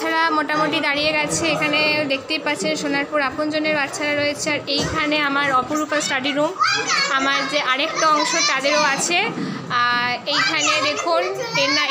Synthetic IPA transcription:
aɾamoʈamoʈid̪aɽijeɡat͡ɕʰeekʰaned̪ekʰt̪epatːɕʰenʃonaɾpuɾapond͡ʑoneɾbat̪ːɕʰaɾaɾoet͡ɕʰeaɾejkʰaneamaɾɔpoɾupasʈaɖiɾumamaɾd͡ʑeʔaɾek̚ʈaɔŋʃot̪ad̪eɾoat͡ɕʰe | ejkʰaned̪ekʰunena

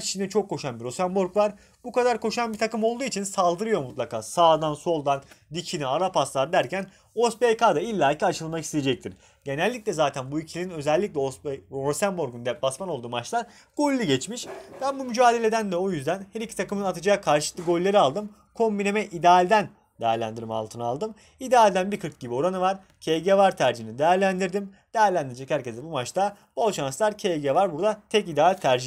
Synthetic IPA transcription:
t͡ʃi̥t͡ʃʰind̪ɛt͡ʃʰo̞kʰːo̞ʃanbiɾo̞sæmboɾkvaɾ | b̥ukad̪aɾkʰo̞ʃanbiɾt̪ʰakɯmo̞lˠd̪uːit͡ʃʰinsalˠd̪ɯɾɯjo̞mut̪lˠakʰaːsaːd̪anso̞lˠd̪and̪icʰiniaɾapaslˠaɾd̪æɾcʰæn | osbekad̪ailʲːaːicʰiat͡ʃʰɯlˠmakist̪ejed͡ʒɛc̚t̪ʰiɾ | ɟe̞nælʲːicʲlʲɛzaːt̪ʰænbuicʰilʲininø̞zɛlʲːiclʲɛoosæmboɾɡund̪ɛp̚basmano̞lˠd̪uːmat͡ʃlˠaɾ | ɡ̥o̞lʲːiɟɛt͡ʃmiʃd̪̥ʰambumyd͡ʒaːd̪elʲe̞d̪ænd̪ɛo̞jyzd̪ænhæɾicʰi̥t̪ʰakɯmɯnat̪ʰɯd͡ʒajakʰaɾʃɯlɯk̪ˠɯɡo̞lʲːeɾialˠd̪ɯm | kʰo̞mbine̞mɛʔid̪aːlʲd̪æn | d̪ejæɾlʲæ̰nd̪iɾima̰lˠt̪ʰɯnalˠd̪ɯm | id̪aːlʲd̪ænbiɾkʰɯɾt̪̚ɟibio̞ɾanɯvaɾ | cʰeɟevaɾt̪ʰæɾd͡ʒiinid̪ejæɾlʲænd̪iɾd̪im | d̪̥ejæɾlʲænd̪iɾid͡ʒɛchæɾcʰezd̪ɛbumat͡ʃt̪a | bolˠʃanslˠaɾcʰeɟevaɾbuɾd̪at̪ʰɛcid̪ɛalʲt̪ʰæɾd͡ʒi

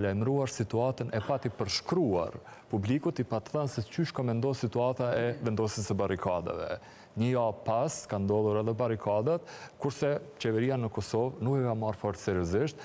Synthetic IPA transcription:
lajmɾuaɾsit̪uat̪ənʔɛpat̪ipəɾʃkɾua̰ɾ | publikut̪ipat̪θənsɛt͡ʃyʃkɔmɛnd̪ɔsit̪uat̪aɛvɛnd̪ɔsisəbaɾikʰad̪a̰vɛ̰ | ɲəjapaskand̪ɔlˠuɾaðɛbaɾikʰad̪at̪kuɾsɛt͡ɕɛvɛɾianəkɔsɔvnukɛkamarfɔɾt̪sɛɾjɔziʃt̪̚

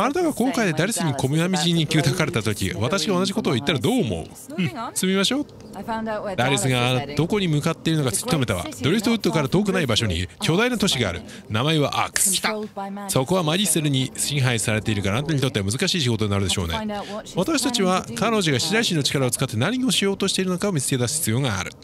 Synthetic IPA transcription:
aɾet̪aɡakõ̞ŋkaid̪e̞d̪aɾʲisɨɲ̟iko̞mɯamʲiʑiɲ̟ːikʲɯt̪akaɾe̞t̪at̪o̞kʲḭβat̪aɕiɡaonaʑiko̞t̪o̞ːit̪ːaɾad̪o̞ːmo̞̰ɯ̰ | sɨmʲimaɕo̞ːt̪ | d̪aɾʲisɨɡad̪̥o̞ko̞ɲ̟imɯ̟kat̪ːe̞iɾ̟no̞kat͡sɨ̥kʲt̪o̞me̞t̪aβa̰d̪oɾʲist̪oɯ̟t̪ːo̞kaɾat̪o̞ːk̬ɯ̟naibaɕo̞ɲ̟iɯ̟kʲo̞ːd̪ainot̪o̞ɕiɡa̰ːɾɯ̟ | namaeβa̰ʔa̰kɯ̥sɨ̥t̪aso̞ko̞βamad͡ʑiseɾɯ̟ɲ̟isĩɰ̃ɦaisaɾe̞t̪e̞iɾɯkaɾanãnt̪oɲit̪o̞t̪ːeamɯ̟zɨkaɕiːɕiɡo̞t̪o̞ɲinaɾɯd̪e̞ɕo̞̰ːnḛ̃βat̪aɕi̥t̪at͡ɕiβakano̞ʑoɡaiɕiɾaiɕĩnːot͡ɕi̥kaɾao̞t͡sɨ̥kat̪ːe̞naɲ̟io̞ɕijo̞ːt̪o̞ɕi̥t̪e̞iɾɯno̞kao̞mʲit͡sɨ̥ke̞d̪asɨ̥çi̥t͡sɨjo̞ːŋa̰ːɾɯ̟

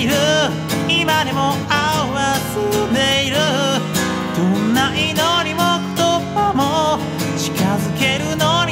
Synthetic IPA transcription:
ɾɯ | imaɾemoa | asɨnd̪e̞iɾɯ | d̪̥õnːaʔinoɲ̟imot̪ːotamo | t͡ɕi̥kazɨke̞ɾɯ̟no̞ɲ̟

